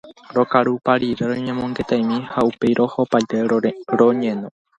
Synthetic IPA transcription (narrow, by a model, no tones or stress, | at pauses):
ɾo̞kaɾupaɾiɾeɾoɲẽ̞mõ̞ŋɡe̞t̪ajmĩhaupe̞jɾo̞ho̞pajt̪eɾoɲẽnõ